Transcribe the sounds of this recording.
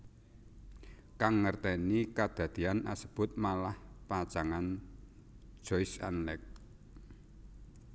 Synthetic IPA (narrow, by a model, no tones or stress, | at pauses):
kaŋːərt̪ɛnikad̪̥ä̤d̪̥i̤ana̰sə̥b̥ʊ̤t̪̚malahpḁʒ̥aŋan̥ | ʒ̥ɔjsa̰nlɛk̚